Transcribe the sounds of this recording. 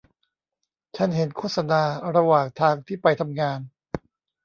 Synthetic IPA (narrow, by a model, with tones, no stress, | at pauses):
t͡ɕʰa˦˥˩nɦe˩˦nkʰo˦˥˩t̪̚sa˧naː˧ɾa˧waː˨˩ŋt̪ʰaː˧ŋt̪ʰiː˥˩pa˧jt̪ʰa˧mŋaː˧n